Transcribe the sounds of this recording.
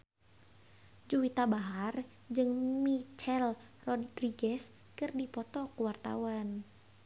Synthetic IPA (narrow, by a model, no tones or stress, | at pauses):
d͡ʒuwit̪abaɦar | d͡ʒɨŋmit͡ʃɛlrɔdriɡɛs | kɨrdipɔt̪ɔkəwart̪a̰wan